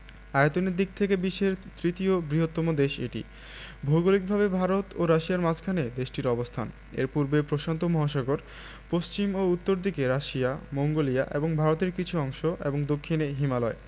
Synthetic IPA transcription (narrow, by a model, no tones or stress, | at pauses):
ajot̪onid̪ːik̚t̪ʰekebiʃːeɾt̪ɾit̪iobɾiɦot̪ːɔmod̪eʃḛʈḭ | bʱoɡolik̚bʱaβebʱaɾot̪oɾaʃiaɾmad͡ʑʰkʰaned̪eʃʈiɾɔbost̪ʰa̰n | ḛɾpuɾbepɾoʃant̪omɔɦaʃɔɡoɾ | post͡ɕimout̪ːoɾd̪ikeɾaʃijamoŋɡolia̰ʔḛboŋbʱaɾot̪eɾkit͡ɕʰuɔŋʃoʔḛboŋd̪okʰːineɦimalɔe